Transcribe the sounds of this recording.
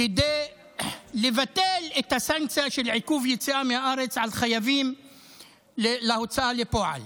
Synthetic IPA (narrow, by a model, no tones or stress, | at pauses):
ed̪e | levat̪elet̪hasaŋk̚t͡sijaʃelʕikuvjet͡siʔamehaʔaɾet͡sʕalχajavim | lelaot͡saʔalepoʕa̰l